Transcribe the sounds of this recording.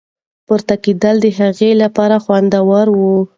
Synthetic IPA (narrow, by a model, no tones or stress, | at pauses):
pəɾt̪akid̪ald̪əɦaɣelapɑɾaxwand̪awɑɾwu